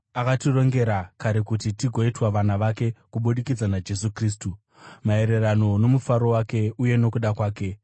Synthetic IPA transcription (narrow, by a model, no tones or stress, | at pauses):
akatiro̞ŋɡe̞ɾakaɾe̞kutitiɡʱo̞itwaʋanaʋake̞kuɓuɗikid͡zanad͡ʒe̞sukriːstu | mae̞ɾe̞rano̞no̞mufaɾo̞wake̞uje̞no̞kuɗakwaːke̞